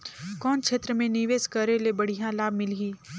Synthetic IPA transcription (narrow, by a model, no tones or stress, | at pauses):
kɔːnkʰeːt̪ɾəmẽniʋeːskəɾelebɐɽ̤ijãlaːb̚mɪliː